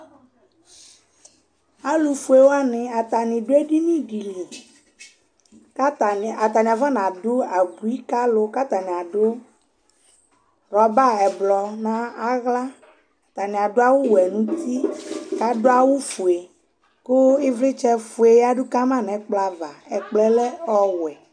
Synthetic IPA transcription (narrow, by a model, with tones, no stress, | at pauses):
a˦lu˨fu˨e˨wo˦a˦nɪ̃˨a˨t̪a˨nĩ˨ɖo˦e˦ɖi˦nĩ˦ɖi˨li˨ | ka˦ta˨a˨t̪a˨nĩ˨a˨vã˦nã˨ɖʊ˦a˨ɡu˨i˦ka˦lo˦ka˦t̪a˨nĩ˨a˨ɖo˦ | ɾɔ˨ba˦ɛ˨blɔ˨nã˦a˦ɣla˦ | a˨t̪a˨nĩ˨a˨ɖo˦a˦wu˦wɛ˨nũ˦t̪i˦ka˦ɖo˦a˦wu˦fu˨e˨ | kʊ˦ɪ˦vlɪ˦t͡ʃɛ˦fu˨e˨ja˦ɖʊ˦ka˦mã˦nɛ̃˨˦k͡pla˨va˨ɛ˨k͡plɛ˦lɛ˦ɔ˦wɛ˨